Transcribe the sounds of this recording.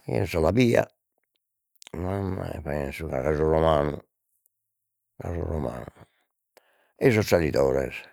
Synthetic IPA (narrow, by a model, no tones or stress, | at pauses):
kḭnsɔlabiːa̰ | mamːajpɛnsuɣaɣazurɔmaːnu | kazṵrɔma̰ːnu | ɛsɔsalit̪ɔːɾɛ̰s